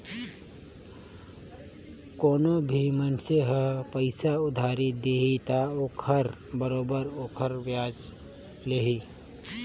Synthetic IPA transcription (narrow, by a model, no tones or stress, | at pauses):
koːnobʱimənseɦəpəɪsaʊd̪ʱaːɾid̪eːɦit̪aoːkʰəɾbəɾoːbəɾoːkʰəɾʋjaːd͡ʒ | leɦi